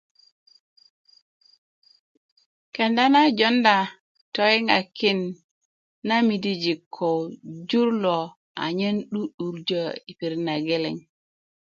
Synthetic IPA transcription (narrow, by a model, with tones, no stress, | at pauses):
ke˨nda˦na˦d͡ʒo˦nda˨ | to˨i˦ŋa̰˨ki˦nː | a˦mi˨di˦d͡ʒi˨kʰːo˨wd͡ʒu˦ɾlo˨ | a̰˨ɲe˦nɗu˦ɗu˨ɾd͡ʒo˦i˨pi˨ɾna˨ɡe˦lḛ˨ŋ